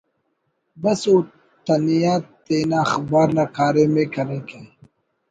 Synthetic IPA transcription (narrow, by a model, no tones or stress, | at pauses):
bɐsu | t̪ɐnijaːt̪eːnaːxbaːɾnakaːɾeːmeːkɐɾeke